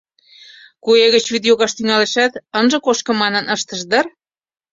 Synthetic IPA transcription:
kueɣət͡ɕβid̪joɣɑʃt̪yŋɑleʃɑt̪ənʒɤ̆koʃkɤ̆mɑnənəʃt̪əʃd̪ɑr

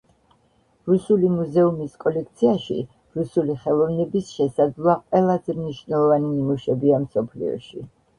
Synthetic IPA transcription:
ɾusulimuzɛumiskʼɔlɛk̚ʰt̪sʰiaʃḭ | ɾusuliχɛlˠɔvnɛbisʃɛsad̪zlˠɔaqʼwɛlˠazɛmniʃvnɛlˠɔvaninimuʃɛbiamsɔpʰlḭɔ̰ʃi

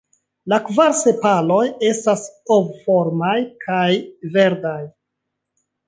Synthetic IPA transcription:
lakvaɾse̞palo̞je̞stasobfo̞ɾmajkʰajve̞ɾdaj

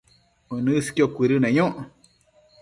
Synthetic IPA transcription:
ɨnɨ̃skjokʷɨɾɨnẽɲõʔ

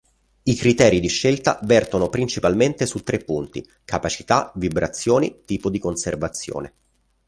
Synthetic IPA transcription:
ikɾit̪ɛːɾid̪iʃːelt̪a̰vɛrt̪onopɾint͡ʃipalment̪esut̪ːɾepːunt̪ḭ | kʰapat͡ʃit̪avibɾat̪sːjoːnḭt̪iːpod̪ikonservat̪sːjo̰ːne

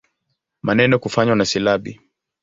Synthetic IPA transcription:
manɛnɔkufaɲwanasilaɓi

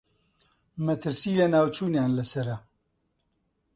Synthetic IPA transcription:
mɐt̪ʰɨɾsiːlɛnaːwt͡ʃʰuːnjaːnlɐsɐɾɐ

